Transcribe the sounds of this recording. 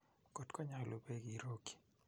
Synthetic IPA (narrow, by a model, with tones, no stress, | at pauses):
kɔ˨tkɔ˦ɲa˨lʔo˨be˦ɡi˨ɾo˦ki̥˨